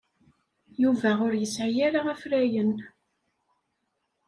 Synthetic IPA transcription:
juvæʁʊɾjəsʕijaɾaʁæfɾæjən

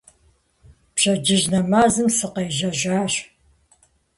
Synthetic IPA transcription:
pɕɐd͡ʒɪʑnɐmaːzɨmsɨqɐjʒɐʒʷaːɕ

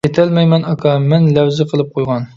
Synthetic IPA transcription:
et̪ʰɛlmɛjmɛnɑkʰɑmɛnlɛwzɪqʰəlˠɨp̚qʰojʁɑn

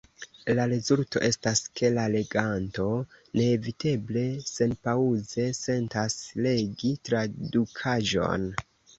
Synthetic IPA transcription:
laɾe̞zulto̞ʔe̞staskʰe̞lale̞ɡanto̞ne̞ːvite̞ble̞se̞npauze̞se̞ntasle̞ɡitɾadukʰaʒo̞̰n

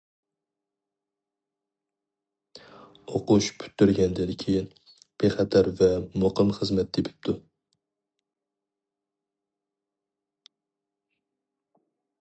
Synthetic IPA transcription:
oqʊʃpʰy̥t̪ːyɾɡʲɛnd̪ɪnkʲʰejin | b̥eχæt̪ʰæɾvɛmoqəmχəzmɛt̪̚d̪epʰɪ̥p̚t̪ʰu

